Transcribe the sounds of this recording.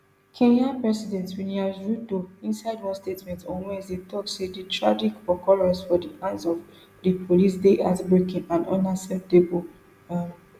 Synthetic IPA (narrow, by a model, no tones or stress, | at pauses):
kʰẽɲãnpɹɛsidɛ̃ntwĩniazɹudoĩnsaɪdwɔ̃nstetmɛ̃ntɔ̃nwɛ̃setɔtsedetɹad͡ʒikɔkɔɹɛ̃sfɔdiʔãɪ̃nsɔv | depʰolisdeʔatbɹekɪ̃nãndɔ̰̃nasɛp̚tebo | a